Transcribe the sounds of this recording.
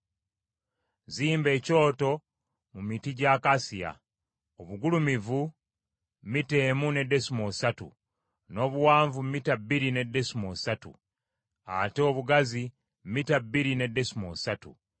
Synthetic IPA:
ziːmbe̞ːco̞ːto̞ | mumitiɟakasija̰ | oβuɡulumivu | mite̞ːmune̞dːe̞simosatṵ | no̞ːβuwaːɱvummitabiɾine̞de̞simosatṵ | a̰teoβuɡazi | mmitabiɾine̞de̞simo̰satṵ

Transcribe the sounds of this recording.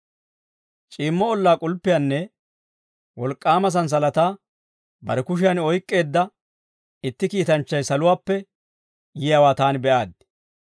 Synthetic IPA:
t͡ʃʼiːmːɔɔlːaːkʼʊlpːɪjanːɛ | wɔlkʼːaːmɐs̬ɐns̬ɐlɐt̪aː | bɐ̰ɾɛkʊʃ̬ɪjɐnɔjkʼːe̞ːd̪ːɐ | ɪt̪ːɪkiːt̪ɐnt͡ʃːɐjsɐlʊwaːpːɛ | jɪjawaːt̪aːnbɛʔaːd̪̚

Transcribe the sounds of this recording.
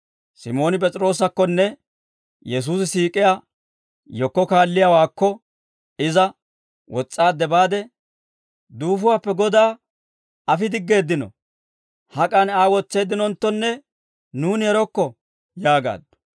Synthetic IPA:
sɪmo̞ːnɪp̬ʼɛt͡sʼɾo̞ːsɐkːɔnːɛ | jɛs̬uːs̬ɪsiːkʼɪjaː | jɔkːɔkaːlːɪjawaːkːɔ | ɪzɐ | wɔt͡sʼːaːd̪ɛbaːd̪ɛ | d̪uːfʊwaːpːɛɡɔd̪aː | ɐfɪd̪ɪɡːe̞ːd̪ːɪnɔ̰ | hɐkʼɐnaːwɔt͡sːe̞ːd̪ːɪnɔnt̪ːɔnːɛ | nuːnɛɾɔkːɔ | jaːɡa̰ːd̪ːɔ̥

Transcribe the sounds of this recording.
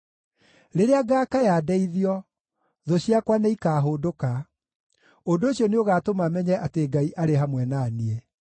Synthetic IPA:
ɾeɾeaɡakajadɛiðiɔ | ðoɕiakwaneikaːɦoːdoka | ondooɕjɔneoɣaːtomamɛɲɛʔateɡaiʔaɾeɦamwɛnaniɛ

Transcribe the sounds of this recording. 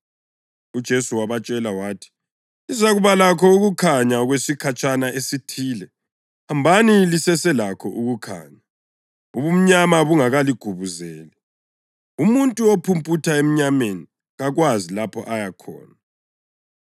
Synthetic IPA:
ud̥ʒ̥ʱesuwaβat͡ʃʼɛlawaːtʰi̥ | izaɣuβalakʰɔuɣukʰaɲaɔɣwesikʰat͡ʃʼanaʔesitʰiːlɛ | hambʱanilisɛsɛlakʰɔʔuɣukʰa̰ːɲa | uβum̩ɲamaβuŋaɣaliɡ̥ʱuβuzɛːlɛ | umuntʼuopʰumpʰʼutʰaem̩ɲameni | ɣaɣwazilapʰɔ̰ʔajakʰɔ̰ːna

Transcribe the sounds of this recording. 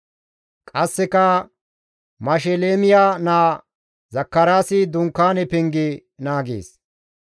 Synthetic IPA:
kʼɐsːɛkɐ | mɐʃ̬ɛleːmɪjaːnaː | zɐkːɐɾaːsɪd̪ʊŋkːaːnɛpɪŋɡɪnaːɡḛːs

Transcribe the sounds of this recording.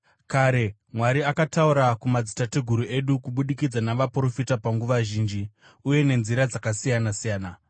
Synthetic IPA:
kaːɾe̞ | mwaɾiakatauɾakumad͡zitateɡʱuɾue̞ɗukuɓuɗikid͡zanaʋapro̞fitapaŋɡuʋaʒiːnd͡ʒi | uje̞ne̞nziɾad͡zakasijanasijaːna

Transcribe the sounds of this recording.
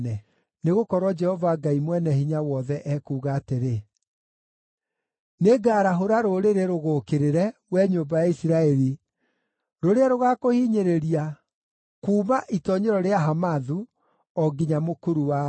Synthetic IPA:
nɛ | neɣokɔɾwɔd͡ʒɛhɔvaɡaimwɛnɛhiɲawɔðɛʔɛkuːɣaːteɾe | neɡaːɾaɦoɾaɾoɾeɾeɾoɣokeɾeɾɛwɛɲoːmbajaisiɾaɛɾi | ɾoɾeaɾoɣakohiɲeɾeɾia | kuːmaʔitɔɲeɾɔɾeaɦamaðu | ɔɡiɲamokoɾuwa

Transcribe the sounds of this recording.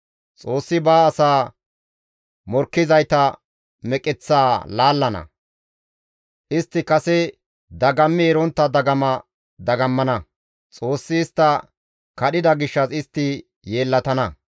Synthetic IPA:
t͡sʼo̞ːsːɪbaːsaː | mɔɾkːɪzɐjt̪ɐ | mɛkʼɪt͡sːaːlaːlːɐnɐ̰ | ʔɪst̪ːɪkɐsɛ | d̪ɐɡɐmːɪɛɾɔnt̪ːɐd̪ɐɡɐmɐ | d̪ɐɡɐmːɐnɐ | t͡sʼoːsːɪːst̪ːɐ | kɐɗɪd̪ɐɡɪʃːɐsɪst̪ːɪ | je̞ːlːɐt̪ɐnɐ

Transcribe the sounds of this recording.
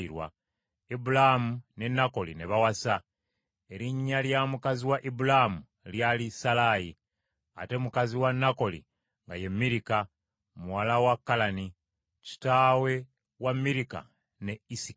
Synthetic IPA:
iɾwa̰ | ibulamune̞nako̞lḭneβawasa | eɾiɲːaljamukaziwaʔibulamu | ljalisalaji | a̰te̞mukaziwanːako̞lḭ | ŋɡaje̞mːiɾika | muwalawakːalani | ci̥tawe̞ | wamːiɾika̰ | ne̞isi

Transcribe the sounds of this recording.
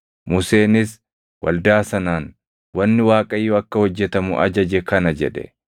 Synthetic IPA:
mʊse̞ːnɪs | wɐ̰ld̪aːsɐnaːn | wɐnːɪwaːkʼɐjːɔɐkːɐhɔd͡ʒːɛt̪ɐmʊʔɐ̰d͡ʒɐd͡ʒɛkɐnɐd͡ʒɛᶑɛ̰

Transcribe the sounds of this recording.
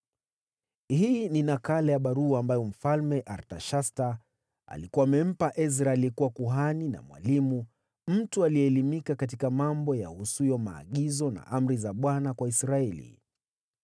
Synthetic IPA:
hininakalɛjaɓaɾuaːmbajɔm̩falmɛʔaɾtaʃasta | a̰likuamɛm̩paʔɛs̬ɾaɛlikuwakuɦanina̰mwa̰limu | m̩tualiɛːlimikakatikamambɔja̰husujɔma̰ːɠizɔna̰ʔam̩ɾizaɓwanakwaisɾaɛlḭ

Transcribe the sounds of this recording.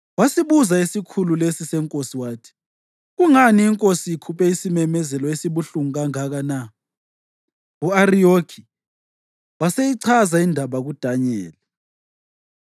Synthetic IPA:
wasiβuzaisikʰululesisɛŋkʼosiwaːtʰi̥ | ɣuŋaniːŋkʼosiikʰupʰʼɛisimɛmɛzɛlɔesiβuɬuŋaŋaɣana | uarijoɡʰʱi | wasejiǀʰazaindʱaβaɣud̥ʱaɲɛːlɛ

